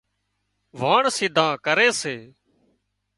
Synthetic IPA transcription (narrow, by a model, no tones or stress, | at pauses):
ʋaːɳsɪd̪ʱãːkəɾeːseː